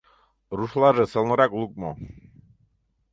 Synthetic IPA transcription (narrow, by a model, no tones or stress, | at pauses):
ɾuʃlaʒɛsɛlnɔɾakʼlˠukʼmɔ̰